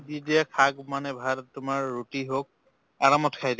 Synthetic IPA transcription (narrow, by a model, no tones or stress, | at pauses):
didiakʰaɡmanɛbʱadtʊmaɹːutiɦok̚ | aɹamɔtkʰajd